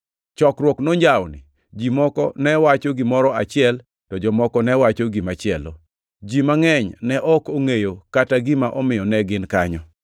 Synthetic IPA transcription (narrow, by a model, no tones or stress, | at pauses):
t͡ʃɔkɾwɔknoɲd͡ʒawnɪ̰ | d͡ʒimɔkɔ̰nɛwat͡ʃoɡimɔɾɔat͡ʃɪɛl | tɔd͡ʒɔmɔkɔnɛwat͡ʃoɡimat͡ʃɪɛlo | d͡ʒimaŋɛɲnɛʔɔkoŋejokataɡimaʔɔmɪjɔnɛɡɪnkaɲɔ